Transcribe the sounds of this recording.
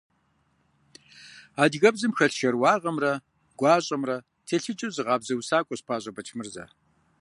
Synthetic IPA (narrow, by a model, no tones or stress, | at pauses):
aːdɣɐbzɨmxɐɬʃɐrwɑːʁɐmrɐ | ɡʷɑːɕʼɐmrɐ | tʰeːɬɨt͡ʃʼɨwzɨʁɑːbzɐwsaːkʷʼɔɕpʰaːɕʼɐbɐt͡ʃʰmɨrzɐ̰